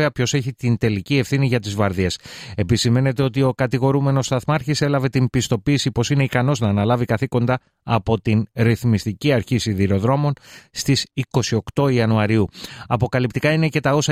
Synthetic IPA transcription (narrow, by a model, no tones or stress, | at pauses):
eɐpço̞se̞çit̪int̪e̞licie̞fθiniʝɐt̪izvɐɾðiese̞pisime̞ne̞t̪e̞o̞t̪̬io̞kɐt̪iɣo̞ɾume̞no̞st̪ɐθmɐɾçise̞lɐve̞t̪imbist̪o̞piːsipo̞sine̞ikɐno̞znɐːnɐlɐvikɐθiko̞nd̪ɐː | po̞t̪inɾiθmist̪iciɐɾçisiðiɾo̞ðɾo̞mo̞nst̪isiko̞sio̞kt̪o̞iɐnuɐɾiuɐpo̞kɐlipt̪ikɐine̞ce̞t̪ɐo̞sɐ